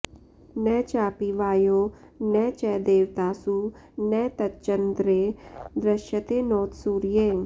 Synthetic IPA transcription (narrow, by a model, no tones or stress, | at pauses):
nɛːt͡ʃaːpiʋaːjoː | nɛːt͡ʃɛːd̪eːʋt̪aːsuː | nɛːt̪ɐt̪t͡ʃənd̪ɾeːd̪ɾəʃjət̪eːnɔːt̪suːɾijeː